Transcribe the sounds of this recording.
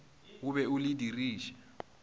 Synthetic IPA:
uɓɛulidʱiriːʃɛ̥

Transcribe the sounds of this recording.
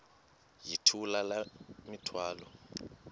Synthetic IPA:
jitʰulalamitʰwaːlɔ

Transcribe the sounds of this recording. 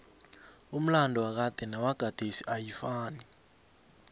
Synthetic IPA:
um̩landʱɔwak̬ad̥ʱɛnawaɡ̥ʱad̥ʱesiʔajifaːni

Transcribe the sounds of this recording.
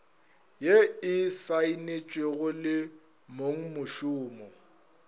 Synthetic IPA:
jeɪsainet͡ʃʼweɣʊlɪ | moŋ̩mʊʃʊːmɔ

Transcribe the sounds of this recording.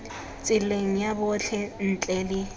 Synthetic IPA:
t͡sʼɪleŋ̩jabʊt͡ɬʰɛn̩t͡ɬʼɛlɪ

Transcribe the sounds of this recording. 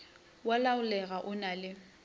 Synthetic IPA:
walaʊlɛɣaʔʊnalɪ

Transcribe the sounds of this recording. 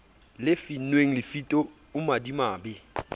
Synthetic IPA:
lɪfinweŋ̩lɪfitʼɔ | ʊmadimaːbɪ

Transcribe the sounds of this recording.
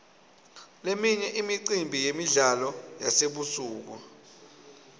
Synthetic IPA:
lemiɲɛʔimiǀimbʱijemiɮalɔjaseɓusuːk̬u

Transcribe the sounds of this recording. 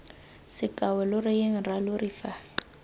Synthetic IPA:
sɪkʼawɛlʊrɪɪŋ̩ralʊrifa

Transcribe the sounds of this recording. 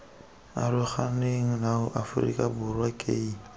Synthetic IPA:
a̰ɾʊχaneŋ̩naʊʔafʊrḭkʼabʊrwakʼeːi

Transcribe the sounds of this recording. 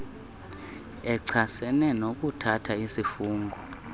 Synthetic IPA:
ɛǀʰasɛnɛnok̬ʼutʰatʰaisifuːŋɡʱɔ

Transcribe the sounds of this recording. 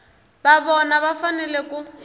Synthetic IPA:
baβɔnaβafanɛleku

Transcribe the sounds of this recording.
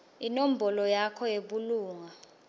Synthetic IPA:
inom̩bʱɔlɔjakʰɔjeɓuluːŋa

